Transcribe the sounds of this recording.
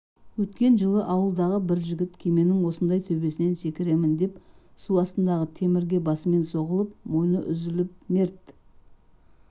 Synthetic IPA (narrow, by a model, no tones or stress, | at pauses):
wɵt̪kʲe̞nʒəlˠəʔɑwəlˠd̪ɑʁəbɪɾʒɪɡʲɪt̪kʲʰe̞me̞nɪŋwo̞sənd̪ɑjt̪ʰɵbe̞sɪne̞nse̞kʲɪɾe̞mɪnd̪e̞psuɑst̪ənd̪ɑʁət̪ʰe̞mɪɾɡʲe̞bɑsəme̞nso̞ʁəlˠəp̚mo̞jnəʔʏzɪlɪp̚me̞ɾt̪